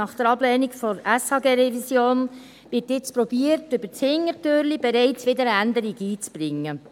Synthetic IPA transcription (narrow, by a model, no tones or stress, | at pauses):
ɑχd̥̪əɾɑblɛːnikfɔɾæshɑːɡeːɾɛvisjoːn | ʋɪtɪt͡spɾɔb̥iəɾtʏb̥ət͡shɪŋːəɾtøɾlib̥ɛɾɛɪt͡sʋɪd̪əɾəænd̪əɾiɡiːt͡sb̥ɾɪŋːə